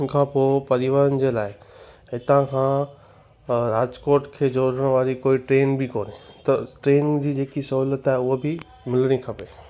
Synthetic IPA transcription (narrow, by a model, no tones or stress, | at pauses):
kʰãːpoːpɐɾɪʋaːɾənɪ̆d͡ʑeːlaːɪ | ɪt̪ãkʰã | ɾaːd͡ʑkoːɾʈkʰeːd͡ʑoːɽəɽ̃ʋaːɾikoːiʈɾeːnbɪkoːnit̪ɐʈɾeːnd͡ʑiːd͡ʑeːkisɐɦuːlət̪aːɦɪʊɦobɪ | mɪlɽ̃ikʰɐpeː